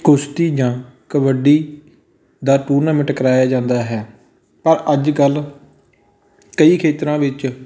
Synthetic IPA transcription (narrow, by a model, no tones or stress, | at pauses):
kʊst̪iːd͡ʒãːkəʋəɖiː | d̪aːʈuːɾnaːmɪʈkəɾaːjaːd͡ʒãːnd̪aːɦɛː | pəɾəd͡ʒkəl | kəiːkʰeːt̪ɾãːʋɪt͡ʃ